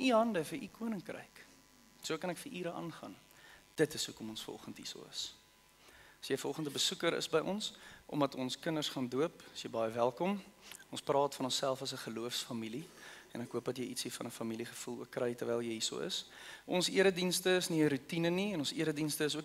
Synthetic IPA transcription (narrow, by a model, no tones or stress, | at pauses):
niɦɐndəfəikuənəŋkrə̰jk | suəkɐnækfəʔiːɾəʔɑ̰ːnχɐ̰n | d̥ətəsukɔmɔnsfɔ̰χəntɦḭsṵə̰s | ɐsjəjfərɔlχəntəbəsukəɾə̰sbəjʔɔ̰nsʔɔ̰mdɐtɔnskənərsχɑnduəpɐsjəjbɐjəvælˠkɔmɔnsprɑːtfɐnɔnsælˠfɐsəχəluəfsfɐmiliɛnækɦuəpdɐtjəjitsifɐnəfɐmiliχəfulˠṵəkːrəjtərvɛjlˠjəjisṵə̰s | ʔɔnsiəɾədinstəːsniəɾutinəniɛnɔnsiəɾədinstəəs̬uək